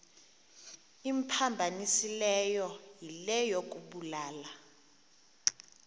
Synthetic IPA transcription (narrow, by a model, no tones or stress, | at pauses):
impʰambʱanisilɛjɔjilɛjok̬ʼuɓulaːla